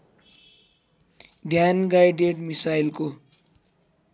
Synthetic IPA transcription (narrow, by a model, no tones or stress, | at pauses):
d̪ʱjanɡajɖeʈmisailko